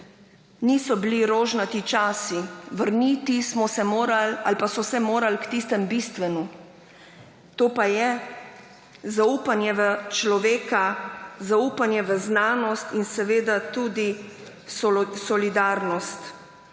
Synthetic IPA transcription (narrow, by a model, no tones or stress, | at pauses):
niːsɔbiliɾoːʒnat̪it͡ʃaːsiʋəɾnit̪ismɔsɛmoːɾalalpasɔsɛmoːɾalkt̪ist̪ɛmbist̪ʋɛnu | t̪oːpajɛ | zaupanjɛʋət͡ʃlɔʋeːkazauːpanjɛʋəznaːnɔst̪insɛʋeːd̪at̪uːd̪i | sɔlid̪aːɾnɔst̪